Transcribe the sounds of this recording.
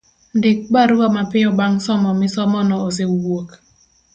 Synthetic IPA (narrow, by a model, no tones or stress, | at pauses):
ndɪk̚baɾuamapɪɔbaŋsɔmɔmɪsɔmɔnɔosewok